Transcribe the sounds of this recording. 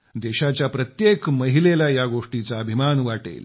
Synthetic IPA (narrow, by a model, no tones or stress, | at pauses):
d̪eɕat͡ɕjapɾət̪jekməɦilelajaɡoʂʈit͡saəbʱimanʋaʈḛl